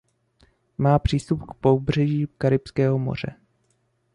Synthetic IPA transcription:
maːpr̝̥iːst̪upkpobr̝ɛʒiːkaɾɪpskɛːɦomo̰r̝ɛ̰

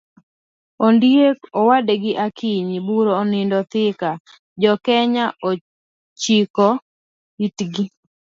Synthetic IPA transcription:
ondjekɔwadeɡɪʔakʰiɲibuɾoːnɪndɔt̪ɪka | d͡ʒɔkɛɲaʔo | t͡ʃikɔ | itɡi

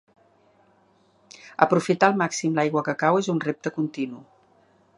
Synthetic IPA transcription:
əpɾufit̪alˠmaksimlajɣwəkəkawezunrep̚t̪əkunt̪inu

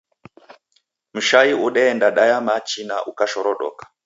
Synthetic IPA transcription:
muʃaiʔuɗɛːndaɗajamat͡ʃinaʔukaʃɔɾɔɗɔ̰kḁ

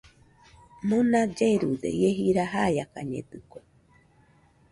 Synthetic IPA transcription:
mɨnad͡ʒeɾud̪ḛieɦiɾaɦajakaɲḛd̪ɨko

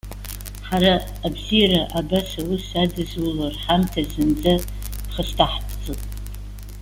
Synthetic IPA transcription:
ħaɾaː | bzijaɾaʔabasawusadɨzwularħamtʰazɨnd͡zʼa | pχəstʰaħpʰʼt͡sʼɨtʼ

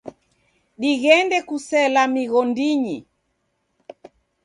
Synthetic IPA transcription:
ɗiɣɛndɛkusɛlamiɣɔndiɲi

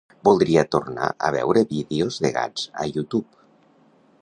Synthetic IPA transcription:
bulˠd̪ɾiat̪urna̰ʔə̰βɛ̰wɾeβiðeozðeɣa̰d͡z̥ə̰jut̪up

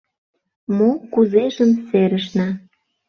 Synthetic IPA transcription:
mokuzeʒəmseɾəʃnɑ

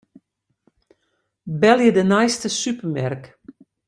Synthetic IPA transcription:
bɛljədənajstəsypəmɛrk

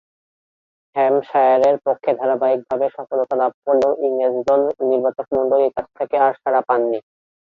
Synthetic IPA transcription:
hɛmʃajaɾeɾpokʰːed̪ʱaɾabaik̚bʱabeʃɔfolot̪alapponːoʔiŋed͡ʑd̪ɔlniɾbat̪ok̚mɔɳɖoleɾkat͡ɕʰt̪ʰekeaɾʃaɾapanːi

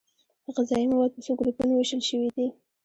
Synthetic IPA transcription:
d̪̥əɣazɑimawɑd̪̚pəsoɡʊlupunoweʃəlʃəwid̪i

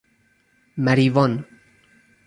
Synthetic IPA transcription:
mæɾiːvɔn

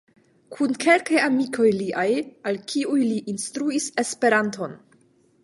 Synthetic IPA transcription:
kʰunkʰe̞lkajamikʰo̞jliʔajalkʰiujliʔinstɾuise̞spe̞ɾanto̞n

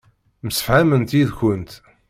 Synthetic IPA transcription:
məsə̥fʕæmənt̪iðçənt̪

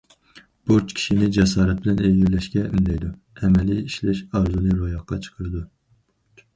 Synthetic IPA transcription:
b̥uɾt͡ʃkʲʰi̥ʃinɪd͡ʒɛs̬ɑːɾɛt̪̚bɪlɛneɡʲiɾlɛʃkʲɛʔy̰nd̪ɛjd̪u | ɛmɛliiʃlɛʃɑɾzunɨɾojɑqːɑt͡ʃʰə̥qʰəɾɨd̪u

